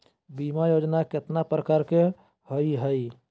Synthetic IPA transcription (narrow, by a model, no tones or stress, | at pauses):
biːmajoːd͡ʒnakɪt̪napɾəkaɾke | hoiɦəi